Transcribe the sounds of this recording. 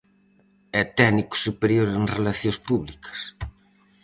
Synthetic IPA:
ɛt̪ɛniku̥supeɾjoɾenrelaθjõspuβlikʰɐ̥s

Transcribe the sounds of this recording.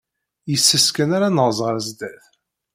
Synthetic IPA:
jəsːəskənaɾanəʁzˤʁəɾæzd̪æθ

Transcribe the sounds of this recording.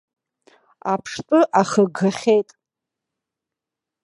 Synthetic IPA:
apʰʂtʷʼʊʔaχəɡaχʲejtʼ

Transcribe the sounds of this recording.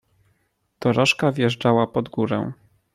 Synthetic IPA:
d̪̥ɔɾɔʂkavjɛʐd͡ʐawapɔd̪ɡuɾɛ̰w̃

